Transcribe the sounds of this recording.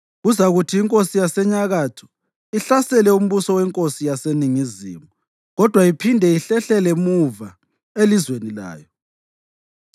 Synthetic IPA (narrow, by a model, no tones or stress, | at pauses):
ɣuzaɣutʰiːŋkʼosijasɛɲaɣaːtʰu̥ | iɬasɛlɛum̩βusɔwɛŋkʼosijaseniŋizḭːmu | ɣɔd̥ʱwaipʰindʱɛiɬɛɬɛlɛmuva | elizwenila̰ːjɔ